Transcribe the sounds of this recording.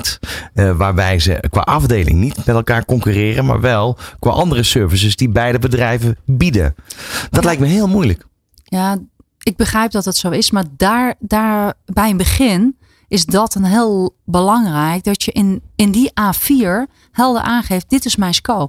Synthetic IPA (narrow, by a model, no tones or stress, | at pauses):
tʋaːɹbɛjzə̰kʋa̰ːʔɑvdeːlɪ̰ŋnitmɛtɛlˠkaːɹkɔŋkyːrɪːɾəma̰ːɹʋɛlˠkʋa̰ːʔɑndərəsøɹvəsəsdibɛjdəbədrɛjvəbidə̰d̥ɔtlɛjk̚tməɦɪːlˠmujlək | ja | ɪk̚bəxrɛjp̚dɔtətsowɪsmaɹdaɹdaːbɛjənbəxɪn | ɪsdɔtənɦɪːlˠbəlɑŋrɛjk̚dɔtjəʔɪnɪndiʔaːfiːɹ | hɛlˠdə̰ʔaːnχeːft̚d̥ɪtɪsmɛjnskoː